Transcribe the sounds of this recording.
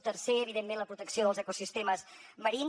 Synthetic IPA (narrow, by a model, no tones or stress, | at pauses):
t̪ərseəβiðemːẽnləpɾut̪əksioðəlˠzəkusist̪eməzməɾin